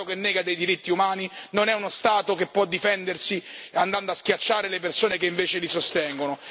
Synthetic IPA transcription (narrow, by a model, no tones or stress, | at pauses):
okenːɛːɡad̪ejd̪iɾit̪ːiumaːninonɛunost̪aːt̪okepːwɔd̪ːifɛnd̪ersiand̪and̪oaskjat͡ʃːaːɾelepersoːnekeiɱveːt͡ʃelisost̪ɛŋɡono